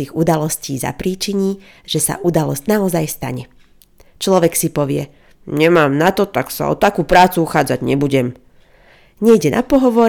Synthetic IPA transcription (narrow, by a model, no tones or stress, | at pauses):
iːɣud̪alɔsciːza̰pɾiːt͡ʃiɲiː | ʒ̥ɛsa̰ʔud̪alɔzɟnaɔzajst̪a̰ɲɛ | t͡ʃlɔʋɛksipɔʋɪɛ | ɲɛmaːmnat̪ɔt̪aksa̰ɔ̰t̪akuːpɾaːt͡suuxaːd͡zaɟɲɛbuɟɛm | ɲɛjɟɛnʔa̰pɔɦɔʋɔɾ